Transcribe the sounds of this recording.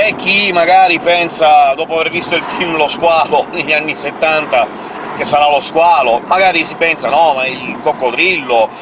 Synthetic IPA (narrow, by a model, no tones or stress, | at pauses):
ekːimaɡaːɾipɛnsad̪ɔːpoavervist̪oilfilmloskwaːloneʎːanːiset̪ːant̪a | k̟esːaɾaloskwaːlomaɡaːɾisipɛnsanɔmailkokːod̪ɾilːo